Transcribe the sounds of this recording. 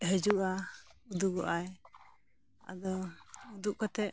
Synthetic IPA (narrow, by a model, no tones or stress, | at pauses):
ɦəd͡ʒuʔaud̪uɡɔʔaj | a̰d̪ɔud̪uʔkɔt̪ɛʔ